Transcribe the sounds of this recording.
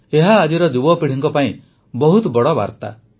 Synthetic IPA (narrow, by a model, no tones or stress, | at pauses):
eɦaːd͡ʒiɾɔd̪ubɔpiɽ̤iŋkɔpaĩ | bɔɦut̪ɔbɔɽɔba̰ɾt̪a̰